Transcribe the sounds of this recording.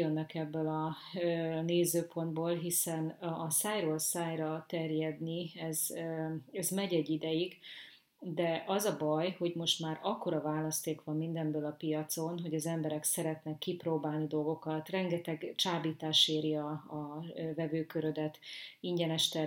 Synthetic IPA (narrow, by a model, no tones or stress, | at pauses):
ønːɛkɛbːølɒ | øneːzøːpo̞nd̪boːlɦisɛnːsaːjɾoːlsaːjrɒt̪ɛrjɛd̪niɛz | ɛzmɛɟɛɟːid̪ɛjiɡ | d̪ɛʔɒzɒbɒjho̞ɟmo̞ʃt̪maːɾɒkːo̞ɾɒvaːlɒst̪eːkʋɒmːind̪ɛmbøːlɒpijɒt̪so̞nɦo̞ɟɒzɛmbɛɾɛksɛɾɛt̪nɛkːiproːbaːlnid̪o̞lɡo̞kɒt̪rɛŋɡɛt̪ɛɡt͡ʃaːbiːt̪aːʃeːɾiɒː | vɛvøːkøɾød̪ɛt̪iɲɟɛnɛʃt̪ɛ